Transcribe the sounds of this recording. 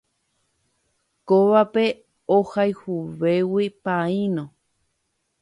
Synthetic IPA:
koβape | ohajhuβewipaĩnõ

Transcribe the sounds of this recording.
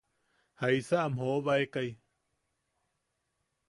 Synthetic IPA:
haisaamhoβaekaj

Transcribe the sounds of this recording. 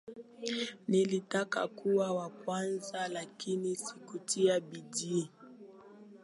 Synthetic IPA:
nilitaka̰kuwawakwanzalakinisikutiabid͡ʒi

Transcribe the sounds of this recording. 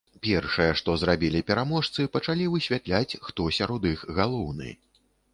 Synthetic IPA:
pʲɛrʂɨjɛʂt̪ɔzɾabʲilʲipʲɛɾamɔʂt̪sɨpɐt͡ʂalʲivɨsʲvʲat̪lʲat͡sʲxt̪ɔsʲaɾɔd̪ixɣalˠɔwnɨ̰

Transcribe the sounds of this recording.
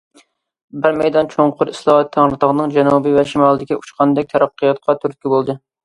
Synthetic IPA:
bɪɾmɛjd̪ɑnt͡ʃʰoŋqʰʊɾislˠɑhɑt̪ʰːæŋɾɨt̪əʁnɨŋd͡ʒɛnubɨvɛʃimɑlˠɨd̪ɪkʲiuʃqʰɑnd̪ɛk̚ʲt̪ʰɛɾɑqːɨjɑt̪̚qʰɑt̪ʰyɾt̪̚kʲʰibolˠd̪ɨ

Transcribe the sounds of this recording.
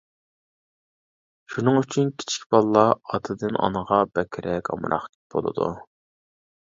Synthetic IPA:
ʃunɨŋyt͡ʃʰynkʲʰi̥t͡ʃʰi̥kʲbɑlˠːɑɑt̪ʰɨd̪ɨnɑ̰nəʁɑbɛkʲʰɾʔɛkʲɑ̰m̰ɾɑ̰χ | b̥o̰lˠɨ̰d̪ṵ

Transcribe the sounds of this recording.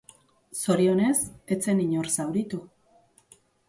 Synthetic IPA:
so̞ɾio̞ne̞se̞t͡se̞niɲoɾsawɾit̪u

